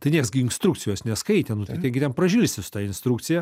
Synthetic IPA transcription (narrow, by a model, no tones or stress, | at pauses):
t̪ɐɪnʲiɛksɡʲɪɪnst̪ɾukt͡ssʲɪjoːsnʲɛskɐɪt̪ʲɛnʊt̪ɐt̪ʲɛɡʲɪt̪ʲɛnpɾɐʒʲuːlʲsʲɪsʊ̥t̪ɑːɪnst̪ɾuːkt͡ssʲɪjɛ